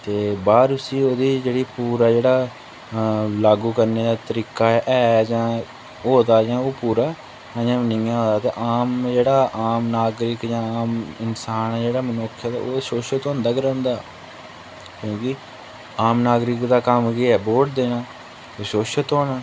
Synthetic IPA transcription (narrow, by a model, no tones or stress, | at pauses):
t̪eːbaːɾʊsĩːoːd̪iːd͡ʒeːɽiːpuːɾaːd͡ʒeːɽaː | laːɡuːkəɾneːd̪aːt̪əɾiːkaːʔɛːd͡ʒãː | ɦoːd̪aːd͡ʒãːoːpuːɾaː | d͡ʒãːʋənɪːjãːɦõːd̪aːt̪eːʔaːmd͡ʒeːɽaːʔaːmnaːɡɾɪkd͡ʒãːaːmɪnsaːnɛd͡ʒeːɽaːmənoːkʰːjaːd̪a̰ːoːʃoːʃət̪õːnd̪aːkəɾõːnd̪aː | kjõːkɪ | aːmnaːɡɾɪkd̪aːkəmkiɛːboːʈd̪eːnãː | eʃoːʃət̪oːnaː